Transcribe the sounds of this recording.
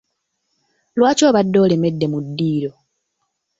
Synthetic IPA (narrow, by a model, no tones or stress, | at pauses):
lwaːco̞ːβadːo̞ːle̞me̞dːe̞mudːiːɾo̞